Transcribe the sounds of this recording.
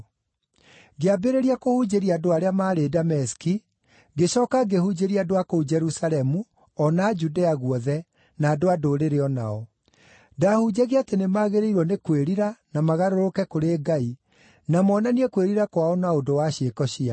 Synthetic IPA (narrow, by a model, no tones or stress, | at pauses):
ɡeabeɾeɾiakohud͡ʒeɾiadoaɾeamaːɾedamɛski | ɡeɕɔːkaɡehud͡ʑeɾiadoakoud͡ʒɛɾusalɛmu | ɔnaːd͡ʒudeaɣwɔðɛ | naːdoadoːɾeɾeɔna̰ɔ | dahud͡ʑaɣeatenemaːɣeɾeiɾwɔnekweɾiɾanamaɣaɾoɾokɛkoɾeːɡai | namɔːnaniɛkweɾiɾakwaɔnaodowaɕeːkɔɕia